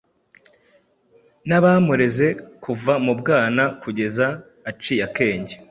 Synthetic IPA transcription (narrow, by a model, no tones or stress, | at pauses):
naβamuɾe̞ze̞kʰuvamubɡaːnakuɟe̞zaː | t͡ʃijake̞ːɲɟe